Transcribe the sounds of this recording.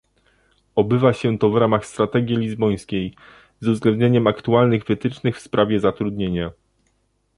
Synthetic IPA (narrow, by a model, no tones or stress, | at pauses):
ɔbɘvaɕɛt̪ɔvɾamaxst̪ɾat̪ɛɡʲjilʲizbɔj̃skʲej | zuzɡlɛnd̪̚ɲeɲɛmakt̪ualnɘɣvɘt̪ɘt͡ʂnɘxfspɾʔavʲjɛzat̪ɾud̪ɲeɲa